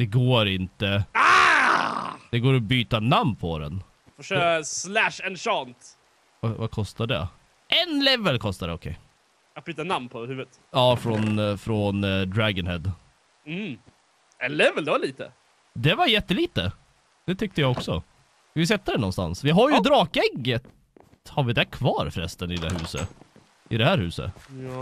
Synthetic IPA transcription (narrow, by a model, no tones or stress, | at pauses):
d̪̥ɛɡoːɾɪnt̪əa | d̪̥ɛɡoːɾɔbyːt̪anamnpʰɔɾɛ̰n | fɔʂøːkaslæʂɛnʃɑːnt̪ | vavakʰɔst̪aɖɛ̰ | ɛnlɛvəlkʰɔst̪ad̪ɛɔkʰɛ̰ɪ | t̪̚byːt̪anamnpʰɔhʉːvət̪ | ɑːfɾɔnfɾɔnd̪ɾæɡənhɛd̪ | m̩ | ɛnlɛvəld̪ɛvaliːt̪ə̰ | d̪ɛvaɾjɛt̪ːəliːt̪ə | d̪̥ɛt̪ʰʏk̚t̪əjɑɔksɔ̰ | ɪsɛt̪ːəd̪ɛnɔnst̪a̰nsvɪɦaɾjʉd̪ɾɑːkɛɡːət̪ | haɾvɪd̪ɛkʰvɑːɾfɾɛ̰st̪ənɪd̪ɛ̰hʉ̟ːsə̰ | ɪd̪ɛhæːɾhʉ̟ːsə̰tː